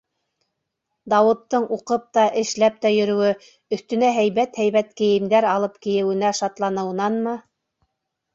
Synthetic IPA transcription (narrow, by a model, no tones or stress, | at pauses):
d̪ɑwɤ̆t̪ːɤɴʔuqɤp̚t̪ɑʔɘ̆ʃlæp̚t̪æjɵ̆ɾɵ̆wɘ | ɵ̆θt̪ɵ̆næɦæjβæt̪hæjβæt̪kɘ̆jɘ̆md̪æɾɑlˠɤpkɘ̆jɘ̆wɘ̆næʃɑt̪lˠɑnɤ̆w̆nɑnmɤ